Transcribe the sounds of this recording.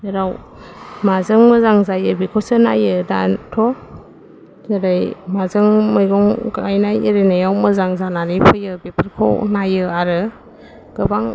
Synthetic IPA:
eɾaw | mazɯŋmɯzaŋzajɯbikʰɔsɯna̰jɯda̰tʰɔ | zɯɾajmazɯŋmɯjɡɔŋɡajnajḭɾenajawmɯzaŋzananipʰɯjɯbepʰɯɾkʰɔ̰najɯaɾɯ | ɡ̥ɯbaŋ

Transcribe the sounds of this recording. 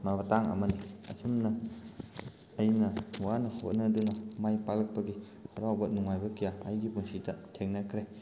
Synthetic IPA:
mabɐtaŋɐ̰mɐniɐ̰sumnɐ | jnɐwanɐho̰t̚nɐdunɐmajpalɐk̚pɐɡi | ɐɾawbɐnuŋajbɐkijaɐjɡipunsitɐtʰeŋnɐkʰɾe

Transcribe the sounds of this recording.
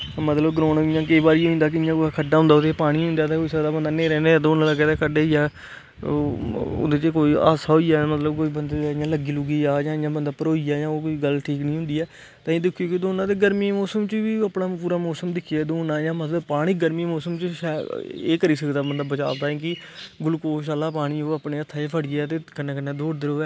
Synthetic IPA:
mət̪ləbɡɾoːnjãːkəiːbaːɾiːɦõĩːnd̪aːk̬ɪɪjãːkokʰəɖːaːɦʊ̃nd̪aːod̪epaːɽ̃iːɦʊ̃nd̪aːt̪eːɦoːiːsəkd̪aːbənd̪aːnẽːɾɛːneːd̪oːnãːləɡɛːt̪eːkʰəɖeːiːaː | d̪eːt͡ʃkoːiːa̰ːsaːɦoiːaːmət̪ləbkoːiːbənd̪eɪjãːləɡiːlʊɡiːaːd͡ʒãːɪjãːbənd̪aːpəɾoːiːaːjãːoːkoiːɡəlʈʰiːknĩːɦʊ̃nd̪iːɛː | t̪ãːĩːd̪ɪkʰːijoːkɪd̪oːnãːd̪eːɡəɾmiːmɔːsəmt͡ʃʋiːaːpnaːpuːɾaːmɔːsəmd̪ɪkʰiaːd̪oːnaːjãːmət̪ləbpaːɽ̃iːɡəɾmiːmɔːsəmt͡ʃəʃɛːeːkəɾiːsəkd̪aːbənd̪aːbət͡ʃa̰ːbd̪aːĩːkɪ | ɡʊlkoːʃ̬aːlːaːpaːɽ̃iːoːaːpneːət̪ʰːaːeːpʰəɽɪːɛːt̪eːkənːeːkənːeːd̪oːɽd̪ɪɾoːɛː

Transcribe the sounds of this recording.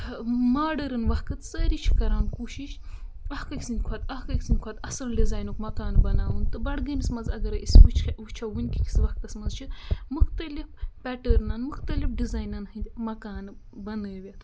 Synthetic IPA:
maːɖəɾɨnʋɐhkɨt̪sɐɾit͡ʃʰi̥kɐɾaːnkuːʃiʃɐhkɐkʰʲisɨnʲkʰɐt̪ɐhkɐkʲisɨnʲkʰɐːt̪ɐsɐnɖizaːjnukmɐkaːnbɐnaːunt̪ɨbɐɽɡɐmismɐzɐɡɐɾɐʔisʋut͡ʃʰxeʋɨt͡ʃʰaʋɨnʲkikʲʰi̥sʋɐhkɐsmɐzt͡ʃʰimuxt̪ɐlifpɛʈəɾnaːnmuxt̪ɐlifɖizaːjnanhɨnʲd̪ʲmɐkaːn | bɐnəːwʲɐt̪

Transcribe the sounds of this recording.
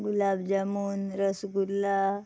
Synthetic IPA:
ɡulaːbd͡ʒamuːnɾəsɡulːa

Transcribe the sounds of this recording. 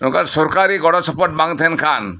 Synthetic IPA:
nukaɾsɔɾkaɾiɡɔɽɔt͡ʃʰɔpɔʈ̚baŋt̪ʰenkʰan

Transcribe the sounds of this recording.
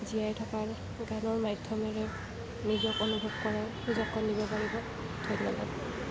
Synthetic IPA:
zijajtʰɔkaɹ | ɡanɔɹmajdʱjɔmɛɹɛ | nizɔkonubʱɔbkɔɹaɹnizɔkːɔnːibɔpaɹibɔ | d̥ʱɔjnːɔpaɡɔ

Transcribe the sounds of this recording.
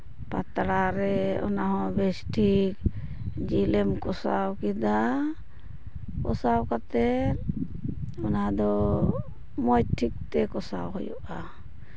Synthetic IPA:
pat̪ɾaɾɛɔ̰naɦɔ̃bɛsʈʰik | d͡ʒilɛmkɔsa̰wkid̪a | kɔsawkat̪ɛ | ɔnaad̪ɔ | mɔjʈʰik̚t̪ɛkɔsa̰wɦɔ̰jɔ̰ʔa

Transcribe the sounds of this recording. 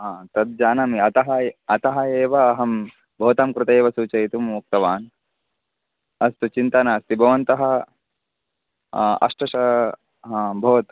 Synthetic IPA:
ɦãːt̪ɐt̪̚d͡ʒaːnɐmiɐt̪ɐɦɐɐt̪ɐɦɐeːʋɐːɦɐm | bʱɐʋɐt̪ɐmkɾɪt̪eːʋɐsuːt͡ʃɐjt̪umuk̚t̪ɐʋaːn | ɐst̪ut͡ʃint̪ɐnaːst̪ibʱɐʋɐnt̪ɐɦɐ | ɐ̰ʂʈɐʃɐ | ɦãːbʱɐʋɐt̪

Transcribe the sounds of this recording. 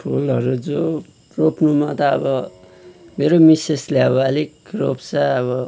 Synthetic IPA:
pʰulʌɾud͡zo | ropʰnumat̪ʌʌbʌ | meɾomiseslaʌbʌʌʌlikropsaʌβʌ

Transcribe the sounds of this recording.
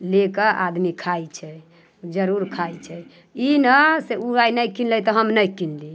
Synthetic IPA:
lekəʔa̰d̪mikʰajt͡ʃʰɛ | d͡ʒəɾuɾkʰajt͡ʃʰɛ | inəseuajnəjkinləjt̪ɔɦəmnəjkinli

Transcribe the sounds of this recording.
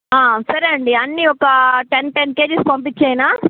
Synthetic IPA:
aːsɐɾɐɳɖiɐnːiɔkɐʈenʈenkeːd͡ʒispɐmp̬it͡ʃːɐːjinaː

